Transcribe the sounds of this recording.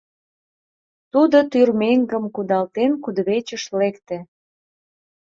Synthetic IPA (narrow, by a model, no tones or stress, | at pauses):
t̪ud̪ot̪yrmeŋɡəmkud̪ɑlt̪enkud̪βet͡ɕəʃlekt̪ĕ